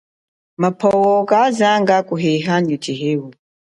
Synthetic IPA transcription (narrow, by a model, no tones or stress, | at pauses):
mapʰɔwɔkazaŋɡakuɦeɦaɲut͡ʃiɦewu